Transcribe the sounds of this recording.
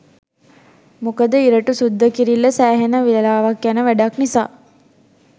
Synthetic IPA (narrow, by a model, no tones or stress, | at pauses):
mukəd̪əiɾəʈusud̪ːəkiɾilːəsæːɦenəʋiləlaːʋakjanəʋæɖaknisa̰ː